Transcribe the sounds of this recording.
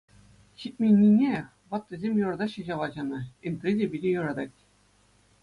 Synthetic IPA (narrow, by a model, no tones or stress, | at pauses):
ɕit̚ʲmʲinʲːinʲe | ʋɑt̪̚ːʲezʲemʲjurɤ̆d̪ɑɕɤ̆ʑɑʋˠɑʑɑnɤ̆int̪rʲidʲebʲilʲejuɾɑd̪ɑtʲ